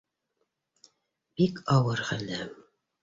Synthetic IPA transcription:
b̥ikʰɑwɤɾχælæm

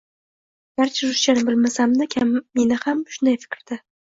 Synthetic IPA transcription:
b̥aɾt͡ʃʰaɾʊʃt͡ʃanɪbɪlmasamnɪkʲʰamːe̞nɪhamʃʊnd̪ajfɪ̥kʲɾd̪̥ɪ

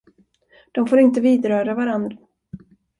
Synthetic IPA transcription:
d̪̥ɔmfoːɾɪnt̪əviːd̪ɾœːɾavaɾand̪ɾa

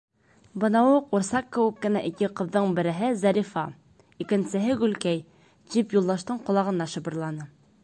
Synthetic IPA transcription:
bɤ̆nɑwɤquɾsɑqkːɘ̆wɘkːɘ̆næʔikɘqɤ̆ðːɤɴbɘ̆ɾɘ̆ɦɘzæɾʲifɑ | ikɘ̆nsɘ̆ɦɘɡʉlkæj | ʑipjulˠd̪ɑʃt̪ɤɴqŏlˠɑʁɤ̆nɑʃɤ̆bɤ̆ɾlˠɑnɤ

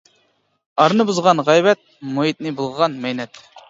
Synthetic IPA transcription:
ɑɾnɨbuzʁɑnʁɛjbɛt̪̚moɦit̪̚nɨbulˠʁəʁɑnmɛjnɛt̪

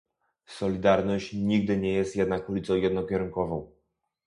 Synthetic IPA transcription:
sɔlʲid̪aɾnɔɕt͡ɕɲiɡ̚d̪ɘɲɛjɛst̪jɛd̪nakulʲit̪sɔ̃w̃jɛd̪nɔkʲɛɾuŋkɔvɔ̃w̃

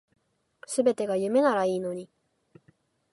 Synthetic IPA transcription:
sɨbe̞t̪e̞ɡajɯ̟me̞naɾaiːno̞ɲ̟i

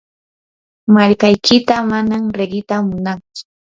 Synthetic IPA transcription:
maʎkajkɪt̪amanamɾeɢɪt̪amʊnaŋt͡sʊ̥

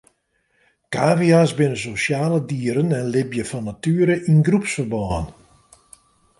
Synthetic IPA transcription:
kaːviasbɪnəsosjaːlədiəɾənɛnlɪbjəfɔnːatyəɾəʔinɡrupsfərbɔən

